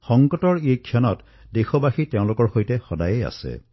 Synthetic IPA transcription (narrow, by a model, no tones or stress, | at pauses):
xɔŋkɔtɔɹejkʰːjɔnɔt | dexɔbaxiteʊ̃lʊkɔɹxojtexɔdajea̰sḛ